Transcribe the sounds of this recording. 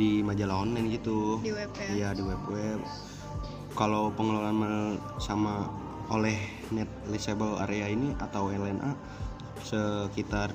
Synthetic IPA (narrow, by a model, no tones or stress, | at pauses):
dimad͡ʒalaɔnːɛnɡit̪u | jadiwɛp̚wɛ | kalowpəŋəlalanmə | sama | olɛh | nɛt̪̚lɛsebəla̰ɾeainiʔa̰t̪awɛnlɛnʔa | səkit̪ar